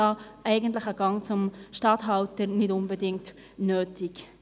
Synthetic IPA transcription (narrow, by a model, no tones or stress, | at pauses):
ɑːʔɛɪɡən̩tlɪχəɡɑŋt͡sʊmʃtɑtɦɑltəɾnɪdʊnbədɪŋt | nøːtɪk